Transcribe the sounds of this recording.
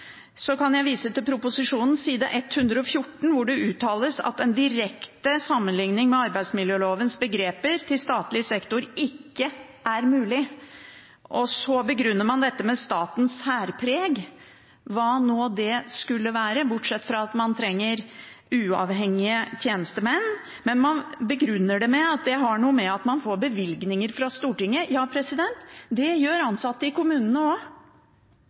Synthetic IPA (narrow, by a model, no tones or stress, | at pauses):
sɔkɑnjæɪʋiːsət̪ɪlpʰɾʊpʊsɪʂuːnn̩siːd̪ɑʔɛt̪ːhʉnd̪ɾəɔfjʊʈːɳ̩ʋʊɖɛʉːt̪ʰɑːləsɑ̰t̪ɛnd̪ɪɾɛkt̪əsɑmːənlɪŋnɪŋmɛɑɾbæɪsmɪljøːloːʋənsbəɡɾeːpəɾt̪ʰɪlst̪ɑːt̪lɪəsɛkt̪ʊɾɪkːə | ʔæɾmʉːlɪ | ʔɔsɔbəɡɾʉnːəɾmɑnd̪ɛt̪ːəmɛst̪ɑːt̪n̩shæːɾpʰɾeːɡ | ʋɑːnoːd̪ɛskʉlːəʋæːɾəbʊʈʂɛt̪ːfɾɑɑt̪mɑnt̪ʰɾɛŋːəɾ | ʉːɑ̰ʋɦɛŋːɪət̪ʰjeːnəst̪əmɛnː | mɛnmɑnbəɡɾʉnːəɖɛmɛɑt̪̚d̪ɛɦɑɳuːəmɛɑt̪mɑnfoːɾbəʋɪlɡnɪŋəɾfɾɑst̪uːʈɪŋːəjɑːpʰɾɛsɪd̪ɛnt̪d̪ɛjøːɾɑnsɑt̪ːəɪkʊmʉːnənəo